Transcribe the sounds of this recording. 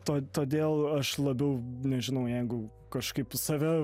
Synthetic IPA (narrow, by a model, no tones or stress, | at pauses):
t̪oːt̪oːd̪ʲeːlˠɐʃlˠɐbʲɛʊnʲɛʒʲɪnɐʊjɛɪɡʊ | kɐʃkɐɪpsɐʋʲæ